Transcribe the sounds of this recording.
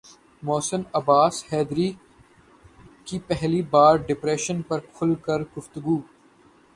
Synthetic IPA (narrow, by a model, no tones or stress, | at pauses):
mɔːsənɐbaːshɛːd̪ɾiː | kipɛɦlibaːɾɖɪpɾeːʃənpɐɾkʰʊlkɐɾɡʊft̪ʊɡuː